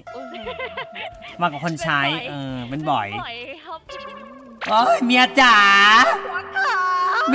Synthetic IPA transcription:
maː˧˩kɔ˧˨˩kʰo˧nt͡ɕʰaː˦˥jʔɤː˧pe˧nbɔ̰˨˩j | ʔoː˦˥jmiː˧ʔa˧t͡ɕaː˧˩ | m

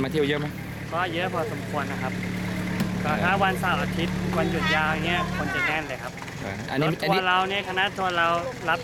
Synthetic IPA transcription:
maː˧t̪ʰi˧˩əwjɤ˦˥ma˦˥j | kɔː˧˥˩jɤ˦˥pʰɔː˧˩so˩˦mkʰu˧ənːa˦˥kʰa˦˥p̚ | kɔː˧˥˩a˦˥wa˧nsaː˨˩wʔaː˧t̪ʰi˦˥t̪̚wa˧nju˨˩t̪̚jaː˧wʔa˧ŋːi˦˥ɐkʰo˧nt͡ɕa˨˩ŋɛː˥˩nlɤː˧jkʰa˦˥p̚ː | ʔa̰˧nː˦˩˥t̪ːu˧˦ɐ˧ɾa˧wni˦˥˨kʰa˧na˦˥t̪ʰu˧ɐɾa˧wla˦˥p̚

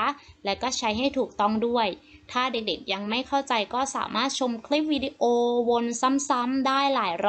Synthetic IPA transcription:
lɛː˦˥wkɔː˥˩t͡ɕʰa˦˥jɦa˥˩jt̪ʰuː˨˩k̚t̪ɔ˥˩ŋdu˥˩əjt̪ʰaː˥˩de˨˩k̚de˨˩k̚ja˧ŋma˥˩jkʰa˥˩wt͡ɕa˧jkɔː˥˩sa̰ː˩˦maː˥˩t̪̚t͡ɕʰo˧mkʰli˦˥p̚wiː˧di˧ʔoː˧wo˧nsa˦˥msa˦˥mdaː˥˩jlaː˩˦jɾ

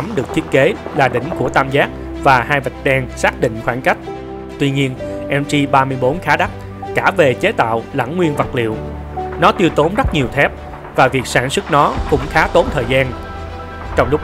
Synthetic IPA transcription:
mɗɨ˨˩ək̚t̪ʰi˦˥ət̚ke˨˦laː˨˩ɗï˧˩˨ŋ̟ku˧˩ət̪aː˧mzaː˦˥k̚ | vaː˨˩haː˧jvə˨˩k̟̚ɗaː˧ŋsaː˦˥k̚ɗḭ̈˧˨ŋ̟xwaː˧˩nka˦˥jk̟̚ | t̪wi˧ɲi˧ənʔɛ˧mt͡ɕi˧ɓaː˧mɨ˧əjɓo˨˦nxaː˨˦ɗa˦˥k̚ | kaː˧˩ve˨˩t͡ɕe˨˦t̪a̰ː˧˨wla̰˧˩ŋŋwi˧ənvə˨˩t̚lḭ˧˨əw | nɔ˨˦t̪i˧əwt̪o˨˦nzə˦˥t̚ɲi˨˩əwt̪ʰɛ˦˥p̚ | vaː˨˩vi˨˩ək̚saː˧˩nswɨ˦˥k̚nɔ˨˦kʊ̰˧˥ŋ͡mxaː˨˦t̪o˨˦nt̪ʰəː˨˩jzaː˧n | t͡ɕɔ˧wŋ͡mlʊ˦˥k͡p̚

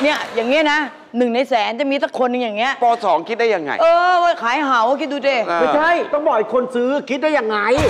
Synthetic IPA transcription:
ni˥˩ɐjaː˨˩ŋːi˦˥ɐ˨na˦˥ | nɯ˨˩ŋna˧jsɛː˨˩˦nt͡ɕa˨˩miː˧t̪ʰa˦˥˩kʰːo˧nːɯ˧ŋja˨˩ŋːi˦˥ɐʔpɔː˧sɔː˩˦ŋkʰi˦˥t̪̚daː˥˩ja˧ŋːa̰˧˩ʔɤː˧wa˧˩kʰaː˩˦jɦa˩˦wkʰi˦˥t̪̚duː˧t͡ɕeː˧˩˧t͡ɕʰa˥˩jt̪ɔ˥˩ŋbɔ˨˩jkʰo˧nsɯː˦˥kʰi˦˥t̪̚da˥˩ja˨˩ŋːa˧j

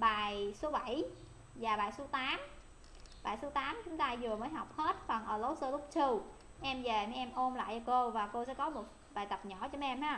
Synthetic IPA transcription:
ɓaː˨˩jso˨˦ɓə˧˩˨j | zaː˨˩ɓaː˨˩jso˨˦t̪aː˨˦m | ɓa̰ː˨˩jso˨˦t̪aː˨˦mt͡ɕʊ˨˦ŋ͡mt̪aː˧zɨ˨˩əməː˨˦jɦa˨˩wk͡p̚he˦˥t̚fa˨˩ŋʔəː˧˩lo˨˦wsəː˧lʊ˦˥k͡p̚t͡ɕɨ˧w | ʔɛ˧mve˨˩mɛ˨˧ʔɛ˧mʔo˧mla̰ː˧˨jt͡ɕɔ˧ko˧vaː˨˩ko˧sɛ̰˧˥kɔ˨˦mo˨˩t̚ | ɓaː˨˩jt̪ə˨˩p̚ɲɔ̰˧˩t͡ɕɔ˧m˦˧ʔɛ˧mhaː˨˧

